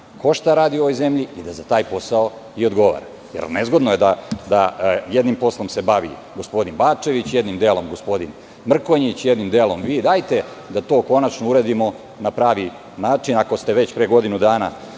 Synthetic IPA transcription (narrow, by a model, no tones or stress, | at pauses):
ko̞ʃt̪aɾaːd̪io̞ʋojze̞mʎiid̪azat̪aːjpo̞sao | io̞d̪ɡo̞ʋa̰ɾa̰ | jḛɾnezɡo̞d̪nojed̪ad̪ajed̪nimpo̞slˠo̞mse̞baʋḭɡo̞spo̞d̪inbaːt͡ʃe̞ʋit͡ɕjed̪nimd̪eːlo̞mɡo̞spo̞d̪in | mr̩koɲit͡ɕjed̪nimd̪eːlˠo̞mʋiːd̪aːjt̪e̞ | d̪at̪oːko̞nat͡ʃnouɾed̪imo̞ | napɾaːʋi | naːt͡ʃinako̞st̪eʋe̞t͡ɕpɾeɡo̞d̪inud̪aːna̰